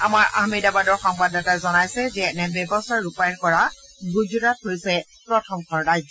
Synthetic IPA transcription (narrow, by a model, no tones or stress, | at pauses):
amaɹʔa̰hmidabadɔɹxɔŋbadatazɔnajsɛzɛnɛbɛbɔstʰaɹɹupajɔnkɔɹa | ɡud͡ʒuɹat̚hojsɛ | pɹɔtʰɔmkʰɔnɹajzɔ